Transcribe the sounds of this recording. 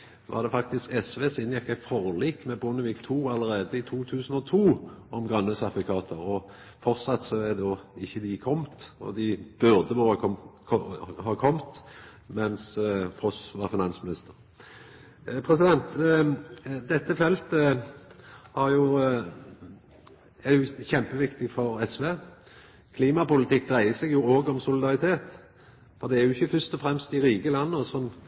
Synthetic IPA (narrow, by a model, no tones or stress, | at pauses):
ʋʔɑ̰ʁd̪ɛfɑk̚t̪ɪskɛsʋeːsɪnjɛkːɑfɔʁliːkmɛbʊnəʋiːkt̪ʰuːɑlːəɾʁeːd̪əɪt̪ʰuːt̪ʰʉːsən̩ɔt̪ʰuːʔɔmɡʁɑnːəsɑd̪ʋʊkʰɑːt̪ʰəʁɔ | fɔʁtsɑt̪sɔɛd̪oːɪçːəd̪ɪkʰɔmt̪ɔ̰d̪ɪb̥ʉʁd̪əʋɔ | hɑkʰɔmt̪ | mɛnsfʁɔsʋɑːʁfɪnɑnsmɪnɪst̪əʁ | pʰʁɛsɪd̪ɛnt̪ | d̪ɛt̪ːəfɛlt̪ə | hɑɾjʊ | æjʊçɛmpəʋɪkt̪ɪfɔɾɛsʋeː | kʰliːmɑpʊlɪt̪ɪkːd̪ʁæɪəsɛɡjʊoːɡəɔmsʊlɪd̪ɑʁɪt̪ʰeːt̪ | fɔʁd̪ɛæɾjʊɪçːəfœst̪ɔfɾɛmst̪ɪɾiːkəlɑnːəɔsɔn